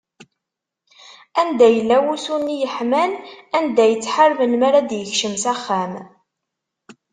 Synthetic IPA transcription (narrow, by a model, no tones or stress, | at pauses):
ænd̪æjəlːæwusunːijəħmælænd̪æjət͡sːħəɾˤməlmaɾæd̪jəçʃəmsæχːæm